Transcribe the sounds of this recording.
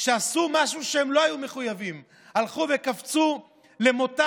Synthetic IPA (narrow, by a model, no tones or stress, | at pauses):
ʃeasumaʃuʃeemlo̞ajume̞χujavim | halχuve̞kaft͡su | le̞mo̞ta